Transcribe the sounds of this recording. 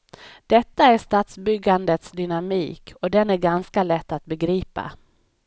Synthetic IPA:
d̪̥ɛt̪ːaæʂt̪aːt̪sbʏɡːand̪ət̪sd̪ʏnamiːkʰɔd̪ɛnæɾɡanskalɛt̪ːat̪̚bɛɡɾiːpa̰

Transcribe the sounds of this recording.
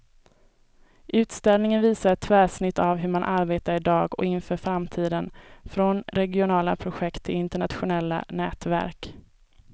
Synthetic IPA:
ʔʉ̟ːt̪st̪ɛlnɪŋənviːsaɾɛt̪ʰːvæːʂnɪt̪ːavɦɵɾmanʔaɾbeːt̪aɾɪd̪ɑːɡɔ̰kɪnfœːɾfɾamt̪ʰiːd̪ənfɾɔnɾɛɡɪʊnɑːla̰pʰɾʊɧɛkt̪ʰːɪlɪnt̪əɳat̪ɧʊnɛlːa̰nɛːt̪væ̰ɾk

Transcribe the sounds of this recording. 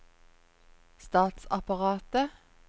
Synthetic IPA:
st̪ɑːt̪sɑpɑʁɑːt̪ə

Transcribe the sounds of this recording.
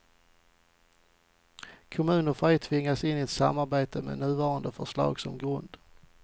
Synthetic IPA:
kʰʊmʉ̟ːnɔfɛjt̪ʰvɪŋːasɪnːɪɛt̪sa̰mːaɾbeːt̪ʰəmḛːnʉ̟ːvɑːɾand̪əfœʂlɑ̰ːɡsɔmɡɾɵnd̪

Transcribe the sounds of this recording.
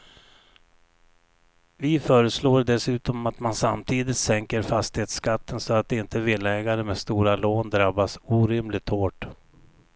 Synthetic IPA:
vɪfœːɾəsloːɖ̪ɛsʉ̟ːt̪ɔmat̪mansamt̪ʰiːd̪ɪt̪sɛŋkəɾfast̪ɪheːt̪skat̪ːənsɔat̪̚d̪ɛɪnt̪əvɪlːɛːɡaɾəmeːst̪uːɾaloːnd̪ɾabːasuːɾɪmlɪt̪hoːʈ

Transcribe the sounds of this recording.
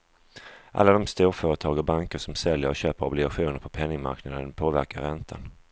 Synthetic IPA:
ʔa̰lːad̪ɔmst̪uːɾfœːɾət̪ʰɑːɡəɾbaŋkəʂɔmsɛljəɾɔɕøːpəɾɔblɪɡaɧuːnəɾpʰɔpʰɛnːɪŋma̰ɾknad̪ənpʰoːvæɾkaɾɛnt̪ʰa̰n

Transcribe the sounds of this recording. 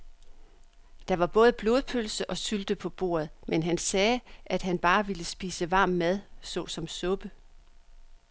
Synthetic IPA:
d̥ɑ̈ʋɑ̈b̥ɔ̽ːð̞̩ˠəb̥lo̝ːð̞ˠpʰølsəʔɒ̽syld̥əpʰɒ̽b̥o̝̰ːɐð̩ˠmenɦænsɛːʔæd̥ɦænb̥ɑ̈ːʋiləsb̥iːsəʋɑ̈ːmːæð̞ˠsɔ̽ːsɒ̽msɔ̽b̥ə

